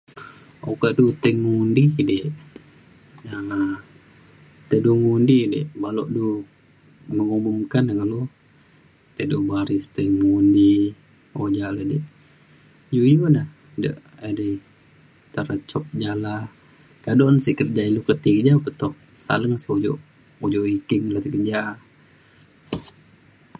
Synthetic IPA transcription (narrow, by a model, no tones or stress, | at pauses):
okaʔdut̪əŋundideʔ | ə | t̪əduŋundideʔbalɔʔdu | məŋumumkankalo | t̪əduʔbaɾist̪əŋundi | od͡ʒalədeʔ | jujudah | də̰ʔ | adi | t̪aɾət͡ʃɔp̚d͡ʒala | kadɔʔnsiʔkərd͡ʒailukət̪ikəd͡ʒapət̪ɔh | sa̰ləŋsiud͡ʒɔ̰ʔ | ud͡ʒɔʔwikiŋlət̪əkərd͡ʒa